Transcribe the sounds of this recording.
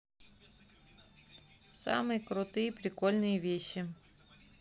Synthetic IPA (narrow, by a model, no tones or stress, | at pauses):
sa̰mɨjəkɾʊt̪ɨjpɾʲɪkolʲnɨjəvʲeɕːɪ